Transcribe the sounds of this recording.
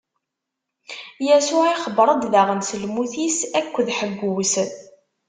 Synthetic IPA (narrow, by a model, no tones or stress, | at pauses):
jæsʊʕiχəbɾˤəd̪ðaʁənsəlmuθisækʷːðħəɡʷːwsən